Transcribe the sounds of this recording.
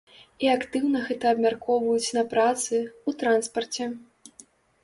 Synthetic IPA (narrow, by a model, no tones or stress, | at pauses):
iakt̪ɨwnɐɣɛt̪ɐːbmʲarkɔvɐjut͡sʲnɐpɾat̪sɨut̪ɾanspɐrt͡sʲɛ